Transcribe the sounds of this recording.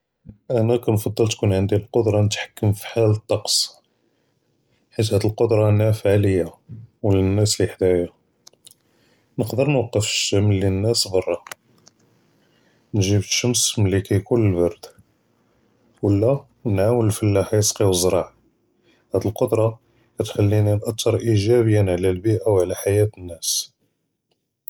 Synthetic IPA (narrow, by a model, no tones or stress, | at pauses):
ʔænækænfɑd̪ˤːəlt̪kunʕənd̪ilqod̪ɾˤɑnət̪ħḁkːəmfi̥ħalət̪ˤːɑqs | ħit̪hæd̪əlqod̪ɾˤɑnæfʕləjːawələnːæsliħd̪æja | nəqd̪əɾˤnwɑqːəfəʃəmlːinːæsbɑrˤːɑ | nʒibt̪ʃəmsmlːikæjkunəlbɑɾˤd̪ | wəlːæ | nʕawəllfəlːaħæjəsqiwəzˤːɾˤɑʕ | hæd̪əlqod̪ɾˤɑ | kæt̪ħəlːininʔɑt̪ʰːɑɾˤʔiʒæbəjːənʕlælbiʔawʕlæħajæt̪ənːæs